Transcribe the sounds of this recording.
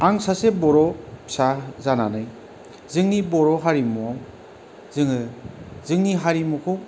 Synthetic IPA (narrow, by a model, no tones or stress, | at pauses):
aŋsasebɔɾɔpsazananɯj | zɯŋnibɔɾɔɦaɾimɔ | zɯŋɯzɯŋniɦaɾimɔkʰɯw